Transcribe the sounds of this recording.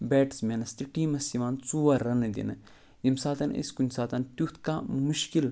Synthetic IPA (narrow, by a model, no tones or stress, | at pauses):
beːʈsmʲenɐst̪iʈiːmɐsimaːnt͡suːʋɐɾːɐnɨd̪ḭnɨ | jimsaːt̪ɐnɐ̰sʲkunʲsaːt̪ɐnt̪ʲut̪ʰkamuʃkil